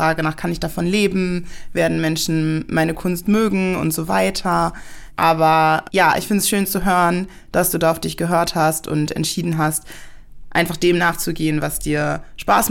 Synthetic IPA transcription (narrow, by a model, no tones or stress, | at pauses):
ʁ̥aːɡənaːχkʰanɪçd̥afɔnleːbm̩veːɐdn̩mɛnʃn̩mʔaɪnəkʰʊnstmøːɡŋ̩ʊ̰ntz̥oːva̰ɪtʰɐʔaːbɐjaːʔɪ̰çfɪntsʃøːnt͡suɦøːʁən | d̥asd̥uːdaːʊfd̥ɪçɡ̥əɦøːɐthastʊ̰ntɛ̰ntʃiːdn̩ɦastʔa̰ɪnfaχd̥eːmnaːχt͡suɡeːənvasd̥iːɐʃpa̰ːs